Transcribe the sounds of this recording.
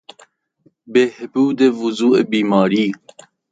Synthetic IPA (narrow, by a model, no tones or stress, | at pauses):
behbuːd̪evuzuːʔebiːmɑːɾiː